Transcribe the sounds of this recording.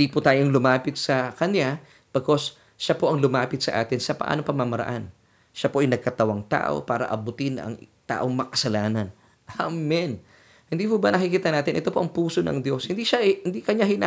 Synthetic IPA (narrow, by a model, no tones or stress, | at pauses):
d̪ipʊt̪aːjoŋlʊmaːpɪt̪̚sɐkɐnja | pɐko̞s | ʃapo̞ʔɐŋlʊmaːpɪt̪̚sɐʔa̰ːt̪ɪnsɐpɐʔa̰ːnopɐmamɐɾɐ̰ʔan | ʃapo̞ʔɐjnɐɡ̚kɐt̪ɐwaŋt̪a̰ːʔo̰paːɾɐ̰ʔɐbʊt̪ɪnʔɐ̰ŋt̪a̰ːʔo̞ŋmɐkɐsɐlaːnɐn | ʔammɪn | hɪnd̪iːpubɐnɐkɪkiːt̪ɐnaːt̪ɪnʔɛt̪o̞po̞ʔɐŋpuːso̞nɐ̰ŋd̪jo̞shɪnd̪iʃaʔhɪnd̪ikɐɲahɪna